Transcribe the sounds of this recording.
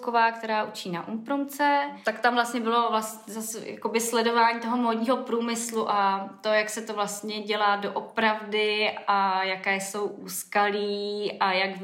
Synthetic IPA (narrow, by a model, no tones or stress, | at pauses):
kovaːk̚t̪ɛɾaːʔut͡ʃiːna̰ʔumpɾomt͡sɛt̪akt̪amvlast̪ɲɛbɪlo̞vlas | zasja̰ko̞bɪslɛdo̞vaːɲiːt̪o̞ɦo̞moːdɲiːɦo̞pɾuːmɪsluʔat̪o̞jaksɛt̪o̞vlast̪ɲɛɟɛlaːdo̞ʔopɾavdɪajakɛːso̞wʔuːskaliːʔajak